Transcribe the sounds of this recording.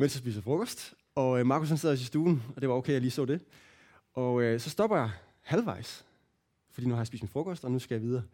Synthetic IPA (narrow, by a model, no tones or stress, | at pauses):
mensjɑsb̥ḭːsəfʁɔ̽kʰɒsd̥ | ɒ̽mɑ̈ːkʰushænseðˠɒs̬isd̥uːn̩ɒ̽d̥e̝ʋɑ̈oʊkʰeɪjɑliːsɔ̰ːd̥e̝ | ʔɒ̽øsɒ̽sd̥ɒ̽b̥ɐjɑ̈ | hælʋɑ̈ɪ̰s | fɒd̥ḭnuhɑ̈jɑsbḭːsd̥mïfʁɔ̽kʰɒ̽sd̥ɒ̽nusɡ̥æjɑ̈ʋið̞ˠɐ